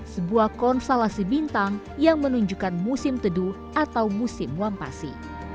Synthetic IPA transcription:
səbuahkɔnst̪olasibint̪aŋ | jaŋmənuɲd͡ʒukanmusɪmt̪ədu | at̪awmusɪmuampa̰sḭ

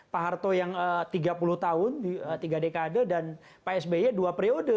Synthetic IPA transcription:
paɦart̪ojaŋət̪iɡapulʊht̪aʊndiət̪iɡadekadədan | paɛsbeəduapɾiodə

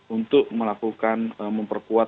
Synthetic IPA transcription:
unt̪ʊk̚məlakukanməmpərkua

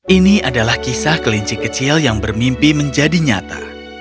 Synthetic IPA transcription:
ʔiniʔadalahkisahkəliɲt͡ʃikət͡ʃiljaŋbərmimpiməɲd͡ʒadiɲat̪a̰

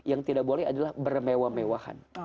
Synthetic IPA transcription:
jaŋt̪idaʔ̚bolɛɦadalahbərmewamewaha̰n

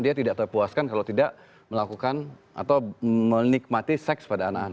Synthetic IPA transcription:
diat̪idaʔt̪ərpuaskankalawt̪idaʔ | məlakukan | a̰t̪awmənik̚mat̪isɛkspadaːnakana

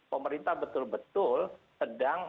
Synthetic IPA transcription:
pəməɾint̪ahbət̪ʊlbət̪ʊlsədaŋ

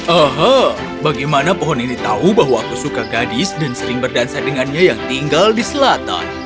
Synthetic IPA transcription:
ʔəɦə | baɡajmanapɔɦɔninit̪aubaɦwaːkusukaɡadɪsdansəɾɪŋbərdansadəŋanɲajaŋt̪iŋɡaldisəlat̪a̰n

